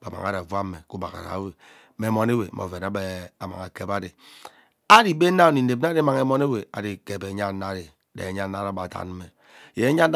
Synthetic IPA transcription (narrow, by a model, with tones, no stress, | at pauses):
ba˨ma̰˨ŋa̰˦ɾa˨va˦m˦me˨ku˦ba̰˨ka̰˨ɾa̰˨˦we˨˦ | me˨mɔ˨ne˦we˨˦mo̰˨ve˨na˨˦e˨a˨ma̰˨ŋa˨ke˨ba˦de˨ | a˦di˨be˦na˦o˨ni˨n̩˦˨e˨b̚na˦dma˨ŋe˦mɔ˦ne˦we˨a̰˨di˨ke˨be˨˦ɲa˦n˦a˦ɾe˨ | dḛ˨e˨˦ɲa˦n˦na˦ɾa˦ba˨ta̰˨n˦m̩˦me˨ | je˨e˦ɲa˦